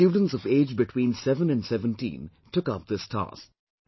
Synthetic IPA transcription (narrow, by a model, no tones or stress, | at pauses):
uːɖⁿn̩tsɔveːd͡ʒbɪʈʰw̥ĩːnsɛvə̃nɨ̃nsɛvə̃ntḭ̃n | tʊkʌp̚ðɪstʰa̰sk̚